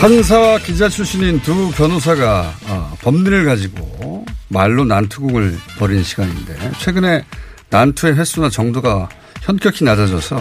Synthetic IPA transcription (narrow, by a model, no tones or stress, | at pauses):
hans̬ʰawakid͡ʑat͡ɕʰuɕ͈ʰinintupjʌnos̬ʰaɡaːpʌmɲiɾɯɭɡad͡ʑiɡo̰maɭːonantʰuɡuɡɯɭpʌɾinɕʰiɡaɲinde̞̰t͡ɕʰwe̞ɡɯne̞nantʰue̞ɸe̞s͈unat͡ɕʌŋdoɡa | çjʌnk͈jʌkʰinad͡ʑad͡ʑʌsʰʌ